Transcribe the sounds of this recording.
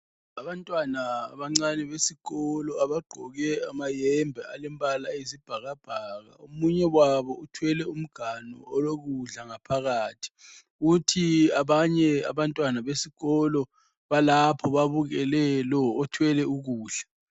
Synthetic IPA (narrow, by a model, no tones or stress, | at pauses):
aβantʼwanaβaŋ͡ǀanɛβesiɣɔlɔaβaɡ͡ǃʱɔɣɛamajɛmbʱɛalɛmbʼalaezib̥ʱaɣab̥ʱaːɣa̰umuɲɛwaβɔutʰwɛlɛum̩ɡ̥ʱanɔ̰ɔloɣuɮaŋapʰaɣaːtʰi̥ | utʰiaβaɲɛa̰βantʼwanaβesiɣɔlɔ | βalapʰɔβaβuɣɛlɛlɔːtʰwɛlɛuɣuːɮa